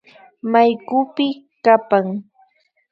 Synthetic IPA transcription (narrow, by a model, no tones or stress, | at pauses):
majkʊpɪ | kapaŋ